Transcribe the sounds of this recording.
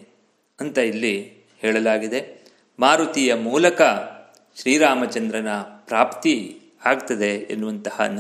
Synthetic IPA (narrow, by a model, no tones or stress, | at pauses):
ɐnt̪ɐilːi | hɛːɭɐlaːɡid̪e̞ | maːɾut̪ijɐmuːlɐkɐ | ʃɾiːɾaːmɐt͡ʃɐnd̪ɾɐnɐpɾaːpt̪i | aːɡt̪ɐd̪e̞ḛnːuʋɐnt̪ɐhɐ̰n